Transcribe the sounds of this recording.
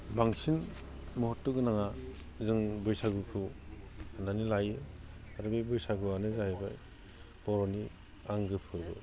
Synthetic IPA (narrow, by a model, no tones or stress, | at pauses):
baŋsin | mɔɦɔtːɯkɯnaŋa | zɯŋbɯjsaɡupʰɯ | andanilajɯ | aɾɯbɯjbɯjsaɡɯanɯzahebaj | bɔɾɔni | aŋɡɯpʰɯbɯ